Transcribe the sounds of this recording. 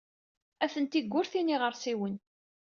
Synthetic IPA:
æθənt̪iɡʷːʊɾθiniʁəɾˤsiwən

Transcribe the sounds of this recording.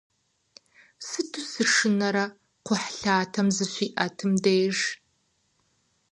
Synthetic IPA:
sɨtʰɨsɨʂɨnɐɾɐ | qʷʰʊħɬaːtʰɐmzɨɕʷiːʔɐtʰɨmdeːʒ

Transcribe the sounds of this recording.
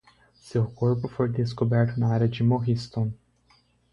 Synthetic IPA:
sewkoɾpʊfojd̪eskobɛɾt̪ʊnɐaɾʲjɐd͡ʒɪmoɦist̪õ

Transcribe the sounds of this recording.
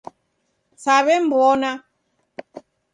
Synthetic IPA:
saβɛmbɔna

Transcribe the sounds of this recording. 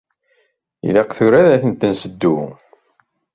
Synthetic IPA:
ḭlæqθʊɾæðæθənt̪ənsəd̪ːu

